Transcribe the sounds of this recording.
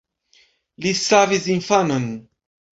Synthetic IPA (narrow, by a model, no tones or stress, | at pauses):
lisavizinfanən